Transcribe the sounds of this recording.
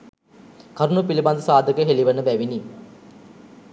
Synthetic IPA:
kaɾunupiliband̪əsaːd̪əkəɦeliʋənəbæʋini

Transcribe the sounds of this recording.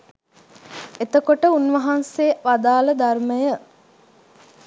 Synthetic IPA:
et̪əkoʈəunʋɐɦanseːʋad̪aːləd̪arməjə

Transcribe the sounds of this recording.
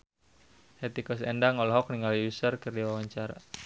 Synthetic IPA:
het̪ikɔsɛndaŋɔlɔɦɔk̚niŋɡaliusərkərdiwawaɲt͡ʃaɾa̰

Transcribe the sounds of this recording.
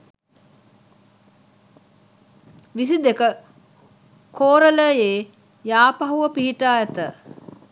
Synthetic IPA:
ʋis̬id̪ekə | kʰoːɾələjeː | jaːpɐɦuʋəpiɦiʈaːæt̪ə

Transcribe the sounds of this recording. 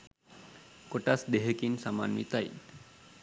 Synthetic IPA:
koʈasd̪eɦekinsama̰ːnʋit̪aj

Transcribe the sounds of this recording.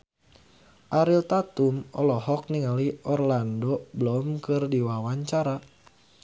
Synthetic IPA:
ʔaɾilt̪at̪umɔlɔɦɔk̚niŋaliɔrlandoblɔmkɨrdiwawaɲt͡ʃaɾa

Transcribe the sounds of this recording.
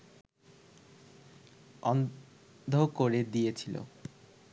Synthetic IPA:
ɔn | d̪ʱokoɾed̪ijet͡ɕʰilo̰

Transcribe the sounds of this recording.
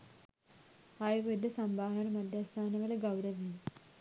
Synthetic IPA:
aːjɐʋed̪ɐsɐmbʱaːɦɐɳɐmɐd̪jast̪ʰaːnɐʋɐɭeɡɐwɾɐʋim

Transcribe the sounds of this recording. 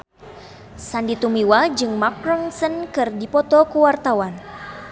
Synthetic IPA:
sandit̪umiwad͡ʒɨŋmakɾəŋsənkɨrdipɔt̪ɔkuwart̪awan

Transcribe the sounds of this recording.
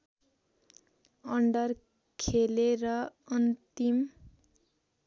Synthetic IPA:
ʌɳɖʌr | kʰeleɾʌʌnt̪im

